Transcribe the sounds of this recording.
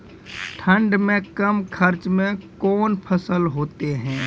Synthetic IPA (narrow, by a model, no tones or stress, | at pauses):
ʈʰə̃ɳɖmẽkɐmkʰɐɾt͡ʃmẽkɔːnpʰəsəlɦoːt̪eɦɛ̃ː